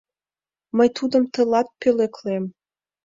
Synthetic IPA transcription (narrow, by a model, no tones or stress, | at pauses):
məjt̪ud̪ə̆mt̪ɤ̆lɑt̪̚pøleklem